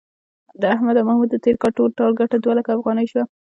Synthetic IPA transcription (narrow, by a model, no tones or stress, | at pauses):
d̪əahmad̪amahmud̪ːət̪eɾkɑlʈolʈɑlɡaʈad̪walakaːfɣɑnəjʃwa